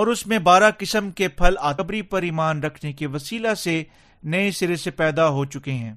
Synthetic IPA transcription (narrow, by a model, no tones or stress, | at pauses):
ɔːɾʊsmẽbaːɾakɪsəmkepʰɐlaːɐbɾipɐɾiːmaːnɾɐkʰnekeʋɐsiːlase | nɐesɪɾesepɛːd̪aɦot͡ʃʊkeɦɛ̃ː